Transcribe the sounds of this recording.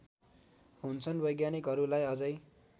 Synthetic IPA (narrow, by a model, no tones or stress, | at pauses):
ɦunt͡sʰʌnbʌjɡjanikɦʌɾulajʌd͡zʌj